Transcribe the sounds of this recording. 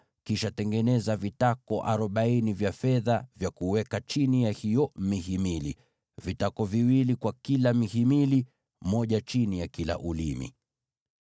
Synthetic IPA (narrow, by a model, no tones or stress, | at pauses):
kiʃatɛŋɡɛnɛzavitakɔʔa̰ɾɔɓainivjafɛðavjakuwɛkat͡ʃinijahijɔmihimilḭ | vitakɔviwilikwakilamihimili | mɔʄat͡ʃinijakila̰ʔulimḭ